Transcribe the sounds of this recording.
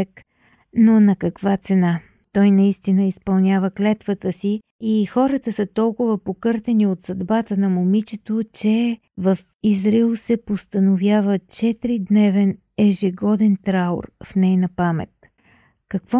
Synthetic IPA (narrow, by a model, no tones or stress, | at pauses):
ɛk | nonɐkɐkvat̪sɛna | t̪ɔjnɐist̪inəispɐlˠnʲavəklɛt̪vət̪əsiː | xɔɾət̪əsət̪ɔlˠkʊvəpokɤɾt̪ɛniot̪sɐd̪bat̪ənɐmomit͡ʃɛt̪ot͡ʃɛ | vəf | izɾilˠsɛpost̪ənovʲjavət͡ʃɛt̪ɾid̪nɛvɛn | ɛʒɛɡɔd̪ɛnt̪ɾao̰ɾfnɛjnɐpamɛ̰t̪ | kɐkvɔ